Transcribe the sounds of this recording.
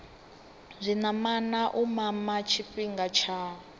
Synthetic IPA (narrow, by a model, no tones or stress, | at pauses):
zʷinamanaʔumamat͡ʃʰiɸiŋɡat͡ʃʰa